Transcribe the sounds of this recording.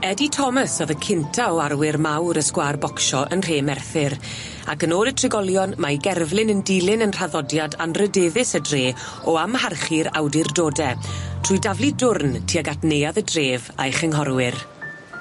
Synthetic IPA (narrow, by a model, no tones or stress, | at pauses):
ɛditʰɔməsɔðəkʰɪntʰaɔarwɪrmawɾəskwaːrbɔkʃɔʔənr̥eːmɛrθɪɾ | akənoːdətʰrɪɡɔlˠjɔnmajɡɛrvlˠɪnəndilˠɪnənr̥aðɔdjadanrədeːðɪsədreː | ɔamharχiɾawdɪrdoːdɛtʰr̥ʊjdavlˠidʊrntʰiːaɡatnejaðədreːva̰jχɛŋɦɔrwɪr